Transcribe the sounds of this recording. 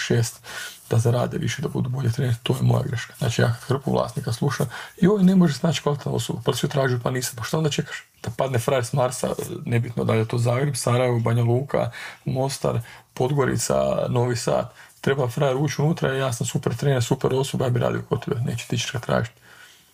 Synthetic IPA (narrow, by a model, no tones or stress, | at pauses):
ʃeːst̪d̪̥asaɾa̰ːd̪eʋḭʃed̪abṵd̪uboʎet̪ɾent̪t̪oːjemo̞̰ja̰ɡɾe̞ʃkḁzna̰ːt͡ʃija̰ːkad̪xr̩puʋlˠa̰ːsnikaslˠuʃamioːine̞moʒesznaːt͡ʃkalˠit̪na̰o̰sobapalsit̪ɾaːʒiupaniːsampaʃt̪aond̪at͡ʃe̞kḁʃ | d̪̥apad̪nefɾaeɾsmaɾsa̰nebit̪nod̪aljejt̪oːzaːɡɾebsaɾajeʋobaɲalˠuːkʰa̰mo̞st̪a̰ɾpo̞d̪ɡo̞ɾḭt̪sa̰no̞ːʋisa̰ːt̪t̪ːɾe̞bafɾaeɾuːt͡ʃunuːt̪ɾa̰jaːsamsupeɾt̪ɾeːnesupeɾo̞sobajaːbiɾa̰ːd̪ijokot̪oʋo̰nḛːt͡ʃe̥t̪it͡ʃe̥t͡ʃɡat̪ɾa̰ːʒit̪